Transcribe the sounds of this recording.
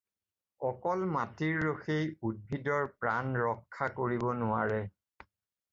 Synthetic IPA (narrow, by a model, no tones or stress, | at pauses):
ɔkɔlmatiɹːoxejud̚bʱidɔɹpɹanɹɔkʰːakoɹibɔnʊwaɹɛ